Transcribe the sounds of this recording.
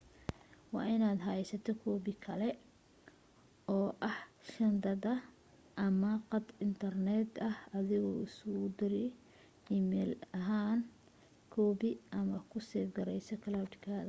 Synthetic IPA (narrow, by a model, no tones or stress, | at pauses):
wɑ̰ːʔɪnaːd̪ɦɐɛsɐt̪ʰɔkʰɔːβɪkʰɐlɛ | ɔːʔɐhʃɐnd̪ɐðɐ | ʔɐmɐqɑd̪ɪnt̪ʰɐrnɛd̪ɐhɐðɪɣɔ̰ːɪsʊd̪ɪɾ | iːmɛːlɐɦaːn | kʰɔːβɪʔɐmɐkʰʊsɛːfɡɐɾɛjsɔkʰɐlawdkʰaːðɐ